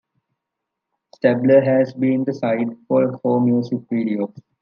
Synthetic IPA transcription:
sʈɛbləɦæzbĩːnd̪əsaɪɖfɔːɾhoːmjuːsɪkʋiːɖioː

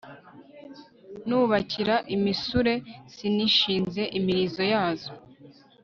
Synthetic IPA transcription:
nuːβacʰiɾaʔimisuɾe̞siniʃiːnze̞ʔimiɾizo̞jaːzo

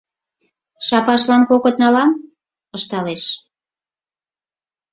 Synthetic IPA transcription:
ʃɑpɑʃlɑnkokŏt̪̚nɑlɑm | əʃt̪ɑleʃ

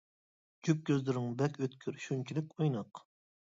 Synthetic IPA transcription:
d͡ʒyp̚kʲʰøzlɪɾɪŋbɛkʲøt̪kʲʰyɾʃunt͡ʃʰilɪkʲojnɑq

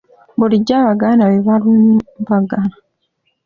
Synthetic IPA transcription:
buliɟːaβaɡanaβeβalunimbaɡana

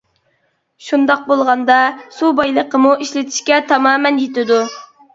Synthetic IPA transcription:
ʃund̪ɑq̚bolˠʁɑnd̪ɑsubɑjlˠəqʰəmuiʃlɪt̪ʰi̥ʃkʲɛt̪ʰɑmɑːmɛnjet̪ɪd̪u

